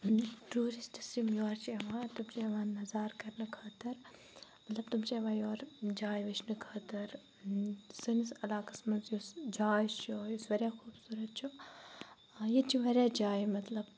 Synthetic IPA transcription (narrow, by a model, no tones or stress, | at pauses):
ʈɾuːɾisʈisimjoːɾt͡ʃʰiɐʋãːt̪umt͡ʃʰiɐʋaːnːɐzaːɾkɐɾnɨkʰɐːt̪ɐɾ | mɐt̪lɐb̚t̪umt͡ʃʰieʋãːjoːɾd͡ʒaːjʋɐt͡ʃʰnɨkʰɐːt̪ɐɾ | sɨnisɐlaːkɐ̥smɐnzjusd͡ʒaːjt͡ʃʰojusʋɐɾʲjaːxuːbsuːɾɐt̪̚t͡ʃʰu | jet͡ʃʰiʋɐɾʲaːd͡ʒaːjmɐt̪lɐb